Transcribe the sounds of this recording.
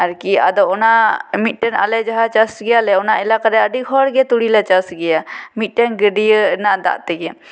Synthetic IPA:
aɾkia̰d̪ɔɔnamit̪̚ˀʈɛna̰lɛd͡ʒaɦat͡ʃasɡɛjalɛɔnaʔɛlakaɾɛəɖikɦɔɽɡɛt̪uɽilat͡ʃasɡɛjamit̪̚ˀʈɛnɡəɖijənaʔd̪a̰ʔt̪ɛɡɛ

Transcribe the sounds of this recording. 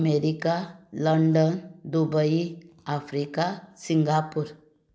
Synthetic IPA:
meɾikaləɳɖənd̪ubəiafɾikasiŋɡapuɾ

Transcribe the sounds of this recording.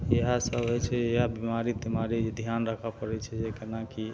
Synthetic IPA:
eɦasəbɦojt͡ʃʰɛeabimaɾiimaɾid͡ʒed̪ʱjanɾəkʰapəɾɛt͡ʃʰɛd͡ʒekenaki

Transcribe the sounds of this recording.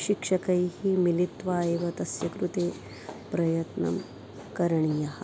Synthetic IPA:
ʃikʂɐkɐjhimilit̪ʋaːeʋɐt̪ɐsjɐkɾut̪eː | pɾɐjɐt̪nɐ̰m | kɐɾɐɳijɐɦɐ

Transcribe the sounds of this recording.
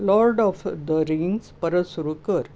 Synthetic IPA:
lɔɾɖɔfd̪əɾiŋspəɾəsuɾukəɾ

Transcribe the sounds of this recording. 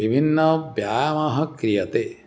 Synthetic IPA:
ʋibʱinːɐbjaːjɐmɐɦɐkɾijɐt̪e

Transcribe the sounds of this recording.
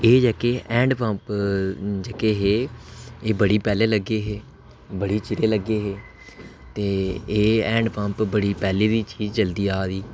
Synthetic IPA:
eːd͡ʒəkeːʔɛ̃ːɳɖpə̃mp | d͡ʒəkeːɦeːeːbəɽiːpɛːleːləɡeːɦeː | bəɽiːt͡ʃɪɾeːləɡeːɦeː | t̪eːeːɛ̃ːɳɖpəmpbəɽiːpɛːleːd̪iːt͡ʃiːzt͡ʃəld̪iːaːd̪iː

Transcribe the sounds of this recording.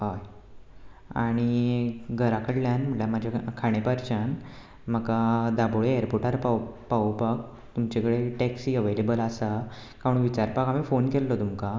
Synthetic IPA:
ɦoj | a̰ɽ̃iɡʱəɾakəɽljanm̤əʈljamad͡ʑʱakʰaɽ̃epəɾt͡ɕən | m̤əkad̪aboɭeeɾpoʈaɾpapaupak̚ | t̪umt͡ɕekəɽeʈɛksiːəʋelebəlasakaɾuɳʋit͡ɕaɾpakamifonkellɔt̪umka

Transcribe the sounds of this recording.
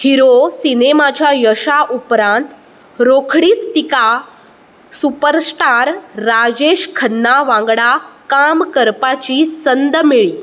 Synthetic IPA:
hiɾosinemat͡ɕjajəʂaʔupɾãnt̪ | ɾokʰɽiːt͡st̪ika | supəɾsʈaɾːad͡ʑeɕkʰənːaʋãŋɡɽakamkəɾpat͡ɕisənd̪meɭiː

